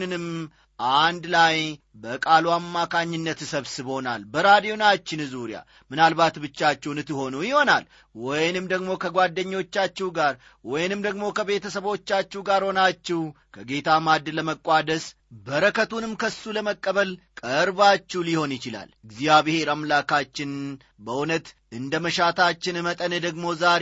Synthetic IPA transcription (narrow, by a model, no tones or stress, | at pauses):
nɨnɨm | ʔand̪laj | bəkʼaluamːakʰaɲːɪnːət̪səβsɨβo̞na̰lbəɾad̪ijo̞nat͡ʃːɪnzuɾja̰ | mɨnalbat̪bɨt͡ʃːat͡ʃːɛwnɨt̪ːɨho̞nujɪho̞na̰l | wɔjnɨmd̪əɡmo̞kʰəɡʷad̪ːəɲːo̞t͡ʃːat͡ʃːɛwɡaɾ | wɔjnɨmd̪əɡmo̞kʰəβe̞t̪ʰəsəβo̞t͡ʃːat͡ʃːɛwɡaɾho̞nat͡ʃːɛw | kʰəɡe̞t̪ʰamad̪ːləməkʼːad̪əs | bəɾəkʰət̪unɨmkʰəsːuləməkʼːəβəlkʼəɾbat͡ʃːɛwliho̞njɪt͡ʃɪla̰lɨɡzijaβihe̞ɾamlakʰat͡ʃːɪn | bəʔunət̪ | ʔɨnd̪əməʃat̪ʰat͡ʃːɪnɨmət̪ʼəned̪əɡmo̞zaɾ